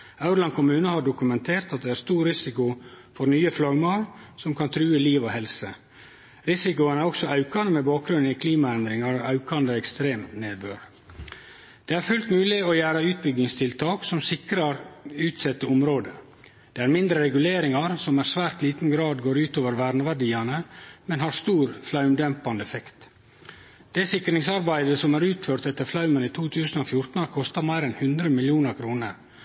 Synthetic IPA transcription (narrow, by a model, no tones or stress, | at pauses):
ɑʉɾlɑnkʰʊmʉːnəhɑɖʊkʉmɛnt̪ʰeːɾt̪ɑt̪̚d̪ɛæɾst̪uːɾɾɪsɪkʊfɔɾnyːəflɑɡmɑlsɔmkʰɑnt̪ʰɾʉːəliːʋohɛlsə | ɾɪsɪkʊənæɾɔksɔɑʉkɑnəmɛbɑːk̚ɡɾʉnɪkʰliːmɑɛnd̪ɾɪŋɑɾɔʔɑʉkɑnd̪əɛkst̪ɾeːmneːbøːɾ | d̪̥ɛæɾfʉlt̪mʉːlɪɔjæːɾɑʉːt̪̚bʏɡɪŋst̪ʰɪlt̪ʰɑːksɔmsɪkɾɑɾʉːt̪sɛt̪ːəɔmɾoːd̪ə | d̪̥eːæɾmɪnd̪ɾəɾɛɡʉleːɾɪŋɑɾsɔmæɾsʋæːɾt̪liːt̪n̩ɡɾɑːd̪ɡoːɾʉːt̪oːʋəɾʋæɾɳəʋæɖiːɑnəmɛnhɑɾst̪uːɾflɑʉmd̪ɛmpɑnd̪əɛfɛkt̪ | d̪̥ɛsɪkːɾɪŋsɑɾbæɪd̪əsɔmæːɾʉːt̪føːɾt̪ɛt̪ːəɾflɑʉməniːt̪ʰuːt̪ʰʉːsən̩oːfjʊɾt̪n̩ɑɾkʰɔst̪ɑmæɪɾɛnhʉnd̪ɾəmɪljuːnəɾkʰɾuːnəɾ